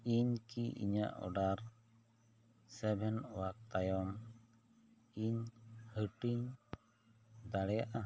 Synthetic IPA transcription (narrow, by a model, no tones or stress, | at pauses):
iɲkiʔḭɲa̰ʔɔ̰ɖaɾ | sɛbʱɛnwak̚t̪ajɔm | iɲhəʈiɲ | d̪aɽɛjaʔa